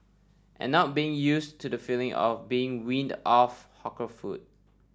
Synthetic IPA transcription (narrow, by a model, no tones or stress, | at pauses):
ʔɛ̰̃nːɔt̚biɪ̃ŋjustʰudəfilɪ̃ŋʔɔ̰fbiɪ̃ŋwĩndɔfhɔkəfṵd̚